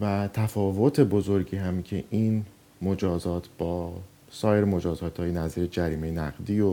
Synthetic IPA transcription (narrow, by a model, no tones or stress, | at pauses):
væt̪ʰæfɒːvo̞t̪ʰe̞bo̞zo̞ɾɟiːɦæmcʰe̞ʔiːn | mod͡ʒɒːzɒːt̪ʰb̥ɒː | sɒːje̞ɾemo̞d͡ʒɒːzɒːt̪ʰhɒːjenæziːɾed͡ʒæɾiːme̞jenæɣd̪iːo